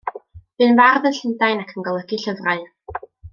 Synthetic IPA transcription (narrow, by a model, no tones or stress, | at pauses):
v̥ɨnvarðənɬəndajnakʰənɡɔlˠəɡiɬəvraɨ